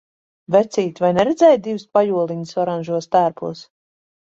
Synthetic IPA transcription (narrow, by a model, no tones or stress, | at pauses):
vɛt̪siːt̪ʲvajnɛɾɛd̪zɛːjt̪̚d̪ivɨspajuɔlˠiɲisɔɾanʲʒuɔst̪æːɾpṵɔs